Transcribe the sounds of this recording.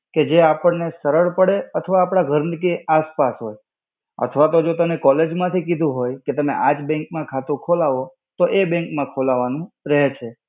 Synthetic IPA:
ked͡ʒeapəɳnesəɾəɭpəɽeət̪ʰəʋaːpɽ̃aɡʱəɾnikeaspasɦoj | ə̰t̪ʰʋat̪od͡ʒot̪əmnekɔled͡ʒmãt̪ʰikid̪ʱũɦojket̪əmḛʔad͡ʒbɛ̃ŋkmãkʰat̪ukʰolaʋo | t̪oʔebɛ̃ŋkmãkʰolaʋanũɾɛɦt͡ʃʰe

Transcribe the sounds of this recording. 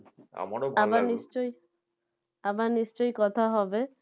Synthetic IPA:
a̰maɽoabanist͡ʃɔj | abaɾnist͡ʃɔjkɔt̪ʰaɦɔbe

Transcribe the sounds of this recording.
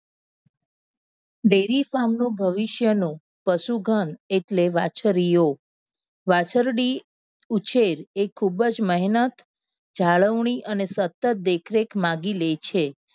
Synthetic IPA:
ɖeɾifamnũbʱəʋiʃjənũ | pəʃuɡʱəneʈleʋat͡ʃəɾijo | ʋat͡ʃəɾɽi | ut͡ʃeɾekʰːubəd͡ʒməɦinət̪ | d͡ʒʱaɭəʋɳiʔənesət̪ːət̪̚d̪ekʰɾekmãɡilejt͡ʃʰe

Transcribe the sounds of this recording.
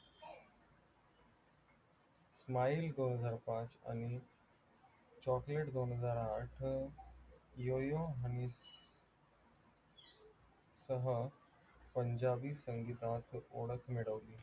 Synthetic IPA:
smaild̪onɦəd͡zaɾpãt͡sa̰ñi | t͡ɕɔkleʈd̪onɦəd͡zaɾaʈʰ | jojoɦani | səɦəs | pəɲd͡ʑabiːsəŋɡit̪at̪oɽəkʰmeɽəʋliː

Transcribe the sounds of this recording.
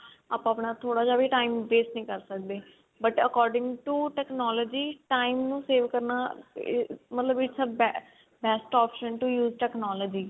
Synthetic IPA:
a̰ːpəpɳ̃aːt̪ʰoːɽaːd͡ʒaːʋeːʈaːimbeːsnəĩːkəɾsək̚d̪eː | bəʈəkɔːɾɖɪ̃ŋɡʈuːʈɛːknɔːləːd͡ʒiːʈaːimnũːseːʋkəɾna̰ː | mət̪ləbɪʈsəbɛ | bɛːsʈɔːpʃənʈujuːzʈɛːknɔːləːd͡ʒiː

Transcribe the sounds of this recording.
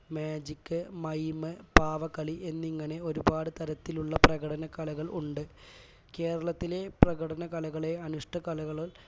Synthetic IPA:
meːd͡ʑikːɨmɐjmɨpaːʋɐkːɐɭiʔe̞nːiŋːɐne̞o̞ɾubaːɽɨt̪ɐɾɐt̪ːiluɭːɐprɐɣɐɽɐnɐkɐlɐɣɐɭuɳɖɨ | ke̞ːɾɐɭɐt̪ːile̞prɐɣɐɽɐnɐkɐlɐɣɐɭeɐnuʂʈɐkɐlɐɣɐɭ

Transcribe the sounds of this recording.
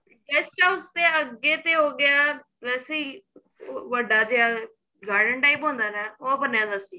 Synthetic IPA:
ɛːst͡ʃaːʊst̪eːəɡːeːt̪eːɦoːɡɪjaː | ʋɛːseːiː | ʋəɖaːd͡ʒeaː | ɡaːɾɖəɳʈaːipɦõːnd̪aːnɛːoːəpənjãːd̪aːsiː

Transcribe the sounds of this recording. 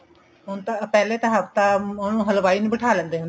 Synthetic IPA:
ɦʊnt̪ãpɛːleːt̪ãɦəft̪ãːonũːɦəlʋaːiːñːbəʈʰaːlɛ̃ːnd̪eːɦʊnd̪e

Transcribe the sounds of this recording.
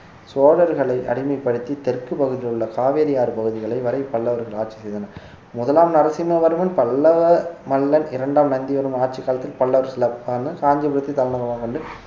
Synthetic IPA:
soːɽɐɾɣɐɭɐɪʔɐ̰ɽɪmɐɪpːɐɽɯt̪ːit̪ɛrkɯpɐɣɯðɪlɯɭːɐkaːʋeːɾɪjaːɾɯpɐɣɯðɪɣɐɭɐɪʋɐɾɐɪpɐɭːɐʋɐɾɣɐɭaːʈ̚t͡ʃi̥sɛjðɐnɐɾ | mʊðɐlaːmnɐɾɐsɪnːɐʋɐɾɯmɪnpɐɭːɐʋɐmɐlːɐnɪɾɐɳɖaːmnɐnd̪iʋɐɾɯmaːʈ̚t͡ʃikːaːlɐt̪ːɪlpɐɭːɐʋɐɾsɪlɐpanɯkaːɲd͡ʒɐpɯɾɯt̪ːit̪ːɐlɐnɐɣɐmaːkɔɳɖɯ

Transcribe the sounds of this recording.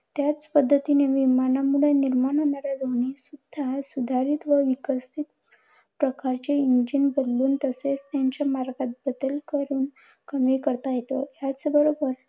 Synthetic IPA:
t̪jat͡spəd̪ʱːət̪ineʋimanamuɭeniɾmaɳɦonaɾad̪ʱonisud̪ʱːasud̪ʱaɾit̪ʋəʋikəst̪ʰit̪̚ | pɾəkaɾt͡ɕeind͡ʑinbəd̪luːnt̪əset͡st̪jaɲt͡ɕamaɾɡat̪̚bəd̪əlkəɾuːn | kəmikəɾt̪ajet̪ojat͡sbəɾobəɾ

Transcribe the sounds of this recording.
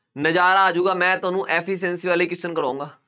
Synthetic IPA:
nəd͡ʒaːɾaːd͡ʒuːɡaːmɛ̃ːt̪ʊaːnũːʔɛːpʰiːs̬ɛ̃ːnsiːʋaːliːkɪstənkəɾãːŋɡaː

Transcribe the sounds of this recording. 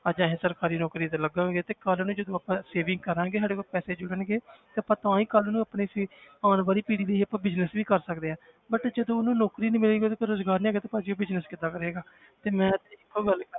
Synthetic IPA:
ad͡ʒãːɦẽːsəɾkaːɾiːnɔːkɾiːt̪ãləɡãːɡeːt̪eːkəlnũːd͡ʒəd̪õːaːpãːseːʋɪ̃ŋɡ̚kəɾãːɡeːɦaːɽekopɛːseːd͡ʒʊɽənɡeːt̪eːəpãːt̪ãːiːkəlnũːaːpneːsiaːnbaːɾiːpiːɽiːləiːəpãːbɪznəsʋiːkəɾsəkd̪eːãː | bəʈd͡ʒəd̪õːnũːnɔːkɾiːnĩːmɪlẽːɡioːt̪ːkeɾoːzɡaːɾnĩːɛːɡeːt̪aːpad͡ʒiːobɪznəskɪd̪aːkəɾeːɡaː | t̪eːmɛ̃ːt̪ːɪkːɡəl

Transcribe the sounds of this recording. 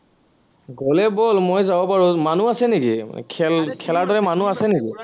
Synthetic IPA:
ɡolɛbolmojzabɔpaɹumanuasɛniɡikʰɛlkʰɛlaɹdɔɹɛmanuasɛniɡi

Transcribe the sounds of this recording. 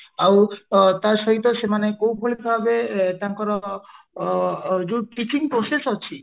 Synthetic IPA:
awt̪aɾʃɔɦit̪ɔsemanekowbʱoɭibʱabet̪aŋkɔɾɔ | d͡ʒuʈit͡ʃiŋpɾosesɔt͡ʃʰi

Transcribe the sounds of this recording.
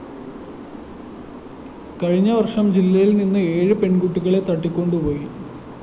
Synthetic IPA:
kɐɻiɲːɐʋɐrʂɐmd͡ʑilːɐjilninːɨe̞ːɻɨpe̞ɳkuʈːiɣɐɭe̞t̪ɐʈːikʲːo̞ɳɖupo̞ːji

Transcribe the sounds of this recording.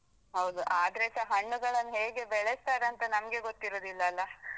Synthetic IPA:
ɦɐwd̪uʔaːd̪ɾesɐɦɐɳːuɡɐɭɐnːɦe̞ːɡe̞bɛɭest̪aːɾeɐnt̪ɐnɐmɐɡe̞ɡot̪ːiɾoːd̪ilːɐːlːɐ

